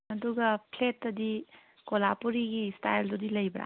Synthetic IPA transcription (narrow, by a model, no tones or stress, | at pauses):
ɐduɡɐpʰletːɐdi | kolapuɾiɡistajldudilɐjbɾa̰